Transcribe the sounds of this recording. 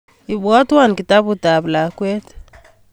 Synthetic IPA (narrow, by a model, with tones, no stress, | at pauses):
i˨βɔ˦twa˨n˨ki˨ta˦βu˨ta˨βla˨kwɛ˦te̥